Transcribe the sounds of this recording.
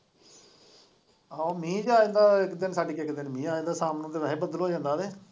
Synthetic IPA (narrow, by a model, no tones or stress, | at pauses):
amĩːd͡ʒaːẽnd̪aːɪkd̪ɪnsaːɖiːkɪkd̪ɪnmĩːaːẽːnd̪aːsaːmnõːt̪eːʋɛːẽːbəd̪əlɦoːd͡ʒãːnd̪aːd̪eː